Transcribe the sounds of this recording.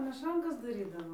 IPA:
mʲɛˈʃɐŋkɐs dɐˈrʲiːdɐʋoː

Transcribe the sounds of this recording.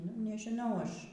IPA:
nʊ nʲɛʒʲɪˈnɐʊ ˈɐʃ

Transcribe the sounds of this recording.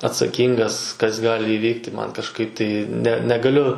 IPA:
ɐtsɐˈkʲiːŋɡɐs kɐs ˈɡɑːlʲɪ ɪˈʋʲiːktʲɪ ˈmɐn kɐʃˈkɐɪp tɐɪ nʲɛ nʲɛɡɐˈlʲʊ

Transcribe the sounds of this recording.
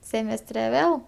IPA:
ˈsʲeːmʲɛsʲtʲrʲɛ ˈʋʲeːlˠ

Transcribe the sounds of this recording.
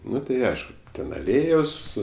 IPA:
ˈnʊ tɐɪ ˈɐɪʃkʊ ˈtʲɛn ɐˈlʲeːjoːs

